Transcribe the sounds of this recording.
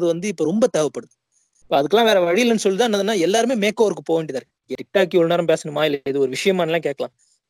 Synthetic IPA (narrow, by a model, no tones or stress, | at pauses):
ðɯʋɐnd̪ɯɪpːoːɾɔmbɐt̪eːʋɐpːɐɽɯðɯ | pːoːɐðɯkːɐlãːʋeːɾɐʋɐɻɪjɪlːɐnːɯsɔlːɯt̪ãːnːɐðɯnːaːɛlːaːɾɯmeːmeːkːoːɐɾɯkːɯpoːɳɖɪðaːɾ | ɛɾɪʈːaːk̬ːiɔɭnaːɾɐmpeːsɐnɯmaːjɪlːɐɪðɯɔɾɯʋɪʂɐjɐmaːnɐlːãːkeːʈ̚kɐlã̰ː